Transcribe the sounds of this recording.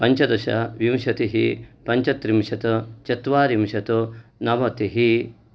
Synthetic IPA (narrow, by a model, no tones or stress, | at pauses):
pɐɲt͡ʃɐd̪ɐʃɐ̰ʋimʃɐt̪iɦipɐɲt͡ʃɐt̪ɾimʃɐt̪ut͡ʃɐt̪ʋaːɾimʃɐt̪unɐʋɐt̪iɦi